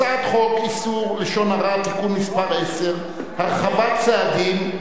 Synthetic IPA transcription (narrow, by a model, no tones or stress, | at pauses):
at̪χɔkʼisulɪʃɔnaratʼikʼumispʼaɾɛsɛr | haχabat͡sʰɛad̪in